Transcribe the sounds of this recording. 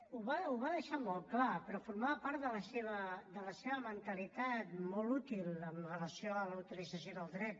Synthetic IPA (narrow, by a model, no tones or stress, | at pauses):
uβauβaðəʃamɔlˠklapəɾɔfuɾmaβəpaɾt̪ðələseβəd̪ələseβəmənt̪əlit̪at̪mɔlˠut̪iləmrələsioələut̪ilid͡zəsjoðəlˠd̪ɾɛt̪